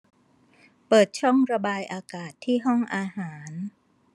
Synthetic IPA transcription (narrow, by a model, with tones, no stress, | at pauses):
pɤː˨˩t̪̚t͡ɕʰɔ˥˩ŋɾa˧baː˧jʔaː˧kaː˨˩t̪ʰːiː˥˩ɦɔ˥˩ŋʔaː˧haː˩˦n